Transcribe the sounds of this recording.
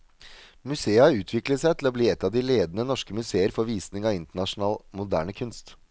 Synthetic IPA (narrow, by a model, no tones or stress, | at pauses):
mʉseːəhɑɾʉːt̪ʰʋɪkləsæɪt̪ʰlɔbliːɛt̪ːɑʋd̪ɪleːd̪nənɔʂkəmʉseːəɾfɔɾʋiːsnɪŋɑɪnt̪əɳɑʂnɑːlmʊd̪æ̰ːɳəkʰʉnst̪